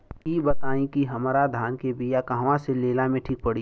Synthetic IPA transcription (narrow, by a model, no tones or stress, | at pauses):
iːbɐt̪aːĩkiɦɐmɾad̪ʱaːnkebijakɐ̃ɦʋãseleːlamẽʈʰiːk̚pɐɽi